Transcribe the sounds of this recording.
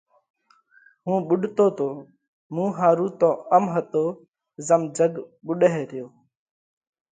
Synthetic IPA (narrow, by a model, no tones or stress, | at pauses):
ɦũːɓʊɗt̪oːt̪oː | mũːɦaːɾuːt̪õːəmɦət̪oː | zəmd͡ʒəɡɓʊɗɦeːɾɪjoː